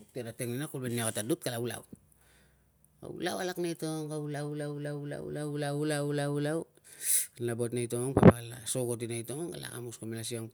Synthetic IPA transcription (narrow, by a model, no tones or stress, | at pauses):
teɾateŋninakulbeniakatadut̚kalaula̰w | ka̰ṵlawalaknejtoŋkaulawlawulawula̰w̰lawlawulawlaulaw | nlabo̞tnajto̞ŋŋpapalaso̞ɡot̬inajto̞ŋoŋa̰la̰kamuskomelasioŋ